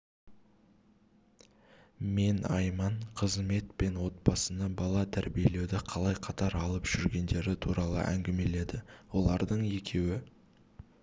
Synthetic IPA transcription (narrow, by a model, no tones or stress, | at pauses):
me̞nɑjmɑɴqʰəzme̞t̪pe̞nwo̞t̪̚pɑsənɑbɑlˠɑt̪ʰæɾbije̞le̞wd̪ɪqʰɑlˠɑjqʰɑt̪ɑɾɑlˠəpʒ̥ʏɾɡʲe̞nd̪e̞ɾɪt̪ʰuɾɑlˠə̰ʔæ̰ŋɡʲɪme̞le̞d̪ɪwo̞lˠɑɾd̪əɴe̞kʲʰe̞wɪ